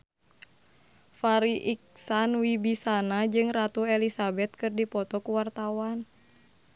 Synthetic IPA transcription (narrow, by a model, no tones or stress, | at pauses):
faɾiʔiksanwibisanad͡ʒɨŋrat̪uɛlisabɛt̪̚kɨrdipɔt̪ɔkuwart̪awan